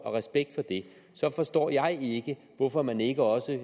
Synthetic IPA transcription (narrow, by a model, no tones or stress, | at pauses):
ɒ̽ʁɛsb̥eɡ̥̚d̥fɒ̽d̥e̝ | sɒ̽fɒ̽sd̥ɒ̰ːjɑ̈ɪe̝ɡ̥ə | ʋɒfɒ̽mæne̝ɡ̥əɒ̽sə